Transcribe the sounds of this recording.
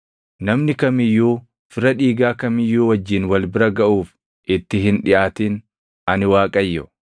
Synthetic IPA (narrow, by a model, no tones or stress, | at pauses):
nɐmnɪkɐmɪjːuː | fɪɾɐᶑiːɡaːkɐmɪjːuːwɐd͡ʒːiːnwɐlbɪɾɐɡɐʔuːf | ʔɪt̪ːɪɦɪnᶑɪʔaːt̪iːn | ɐnɪwaːkʼɐjːɔ